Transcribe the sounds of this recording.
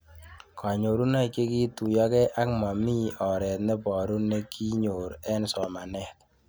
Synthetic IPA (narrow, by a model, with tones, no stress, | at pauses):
kʰa˨ɲo˨ɾu˦na˦˨ke˦ki˦tu˨jɔ˦kɛ˦ʔa˦k̚ma˨mi˦ɔ˨ɾɛ˨t̪nɛ˦pɔ˨ɾu˦ne˦kʰi˦ɲo˨ɾɛ˦nsɔ˨ma˨nɛ˦k̚